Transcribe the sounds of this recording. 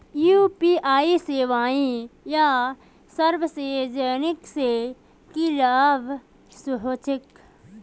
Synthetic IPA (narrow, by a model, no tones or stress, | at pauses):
juːpiːʔaːiseːʋaːĩja | səɾʋseːd͡ʒəːnɪkse | kilaːb | sʊɦoːt͡ʃɪk